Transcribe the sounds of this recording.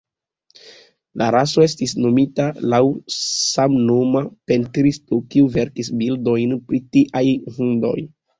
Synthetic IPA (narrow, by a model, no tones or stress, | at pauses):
laɾaso̞e̞stisno̞mitalawsamno̞mape̞ntɾistokiuve̞ɾkisbildo̞jnpɾitiʔajhundo̞̰j